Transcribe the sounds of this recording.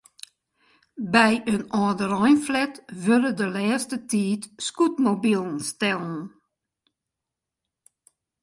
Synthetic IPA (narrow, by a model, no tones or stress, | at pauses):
bɛjənɔːdəɾɔjnflɛtʋødədəlɛːstətiːtskutmobilˠən̩stɛlˠn̩